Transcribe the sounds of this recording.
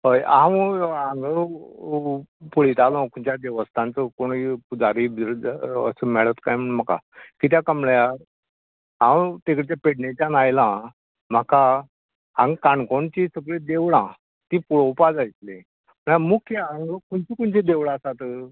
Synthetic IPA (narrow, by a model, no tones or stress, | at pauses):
ɦəjãwaŋɡəɾ | puɭit̪alɔ̃kuɳt͡ɕjad̪ɛʋəst̪ʰãnt͡səkoɳpud͡zaɾib̪ɾd͡zə̰səmɛɭət̪kajm̤əɳm̤aka̰kit̪̬jakəmɭja | ãwt̪ekɽt͡ɕ̪japeɽnet͡ɕanajlã | m̤əka | ãŋɡkaɳkoɳt͡ɕisəɡɭed̪eʋɭã | t̪ĩpuɽowpad͡zajt̪le | məɳamukʰjəãŋɡkuɳt͡ɕiːkuɳt͡ɕid̪eʋɭasat̪